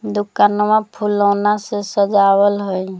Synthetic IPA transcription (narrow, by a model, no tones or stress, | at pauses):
d̪ukanmãpʰulɔːnasesəd͡ʒawəlɦoj